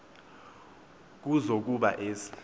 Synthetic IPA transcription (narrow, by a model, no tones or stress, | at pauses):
k̬uzok̬uɓaʔeːsi̥